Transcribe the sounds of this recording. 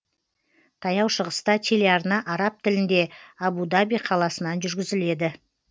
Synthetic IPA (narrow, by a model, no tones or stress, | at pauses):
t̪ʰɑjɑwʃəʁəst̪ɑt̪ʲʰe̞leɑɾnɑʔɑɾɑp̚t̪ʰɪlɪnd̪e̞ɑbud̪abijqʰɑlˠɑsənɑnʒʏɾɡʲɪzɪle̞d̪ɪ